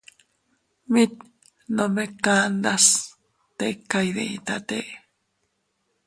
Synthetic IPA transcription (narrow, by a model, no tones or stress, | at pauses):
mit̪̚ | nõmekaːnd̪as | t̪ekːajðeḭt̪at̪eʔ